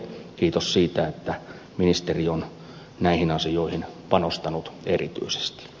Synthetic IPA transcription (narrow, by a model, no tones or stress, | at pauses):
kiːt̪ossiːt̪æet̪ːæ | minist̪erion | næihinɑsijoˑihinpɑnost̪ɑnut̪erit̪y̰ise̥st̪i̥